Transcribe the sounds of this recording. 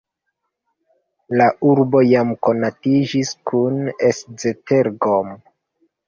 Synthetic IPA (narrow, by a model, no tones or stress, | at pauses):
laʔuɾbo̞jamko̞natid͡ʒiskʰunesd͡zete̞ɾɡom